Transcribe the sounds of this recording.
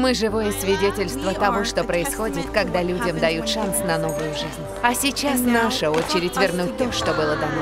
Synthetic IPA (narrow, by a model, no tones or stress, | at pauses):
mɨʐɨvo̞jəsvʲɪdʲetʲɪlʲst̪vət̪ɐvoʂt̪o̞pɾəɪsxo̞dʲɪt̪kɐɡd̪alʲudʲəmd̪ɐjut̪ʂansnɐno̞vʊjʊʐɨzʲnʲ | ɐsʲɪt͡ɕasnaʂəo̞t͡ɕɪɾʲɪtʲvʲɪrnut̚ʲt̪o̞ʂt̪o̞bɨlˠəd̪ɐno